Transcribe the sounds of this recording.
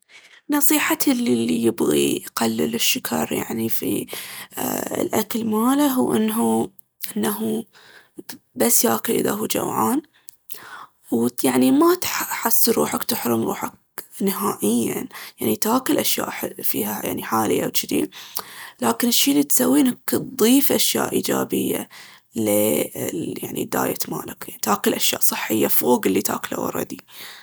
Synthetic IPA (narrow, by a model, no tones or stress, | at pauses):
nɑsˤiːħat̪ʰlːilːijɪbɣḭqalːlɪʃːʊkʰɑɾˤja̰ʕnifḭ | lʔakɪlmaːlaɦuːʔɪnːɦu | ʔɪnːaɦu | basːjaːkɪlʔɪ̰ða̰ɦuːd͡ʒa̰wʕa̰ːn | wjaʕnimat̪ħasːɾuːħakt̪ɪħɾʊmɾṵːħak̚nɪɦaːʔɪjːa̰njaʕnit̪aːkɪlʔaʃja̰ːʔħfḭːɦaja̰ʕniħaːlɪjːawt̪ʃd̪ḭːnlaːkɪnɪʃːiːlːiːt̪sawːiːnak̪d̪ˤiːfʔaʃja̰ːʔiːd͡ʒaːbɪjːa̰ | le | jaʕnḭd̪a̰ːjat̪maːlakanit̪haːkɪlʔaʃjaːʔsˤɨħːɪjːafoːɡɪlːit̪a̰ːkla̰wɑ̰ɾˤɑ̰d̪i